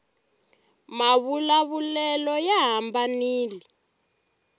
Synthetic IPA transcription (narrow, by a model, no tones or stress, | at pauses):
maβulaβulɛlɔjaɦambaniːli